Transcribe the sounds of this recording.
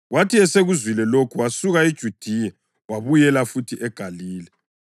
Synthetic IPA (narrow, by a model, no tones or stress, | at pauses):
ɣwatʰiɛseɣuzwilɛlokʰuwasuɣaid̥ʒ̥ʱud̥ʱijɛ | waβujɛlafutʰiʔɛɡ̥ʱaliːlɛ